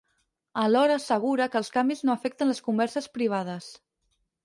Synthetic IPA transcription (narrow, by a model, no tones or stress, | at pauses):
əlɔɾəːsəɣ̞uɾəkəlˠskambiznoəfɛk̚t̪ənləskumbɛɾsəspɾiβ̞að̞əs